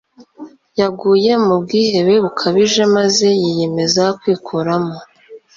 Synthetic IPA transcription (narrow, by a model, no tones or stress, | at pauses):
jaɡuːje̞mub̚ɡiːhe̞βe̞βukʰaβiʒe̞maze̞jije̞me̞zakwiːkʰuɾamo